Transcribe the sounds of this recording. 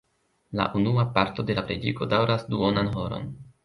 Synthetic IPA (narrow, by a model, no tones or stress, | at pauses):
la̰ʔunuapaɾto̞de̞lapɾed͡ʒiɡo̞dawɾasduonanɦo̞ɾo̞̰n